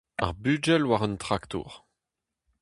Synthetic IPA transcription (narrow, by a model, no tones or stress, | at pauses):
a̰ʁbyd͡ʒɛlwaʁœnt̪χakt̪ṵʁ